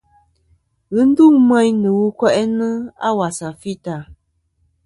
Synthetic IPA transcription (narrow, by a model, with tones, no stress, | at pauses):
ɣɨ˦n̩˦du˦˨mɛ˦ɲnɨ˨wu˦kwɛ˦ʔɛ˦nɨ˦a̰˦wa˨sa˨fi˦ta˨